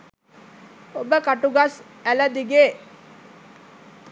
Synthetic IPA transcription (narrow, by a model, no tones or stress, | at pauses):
obəkaʈuɡas | æləd̪iɡeː